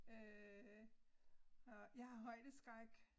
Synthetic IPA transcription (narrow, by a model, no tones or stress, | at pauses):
ø | hɒjäɪhɑ̈ɦɒ̽ɪ̰d̥əsɡ̥ʁaɡ̥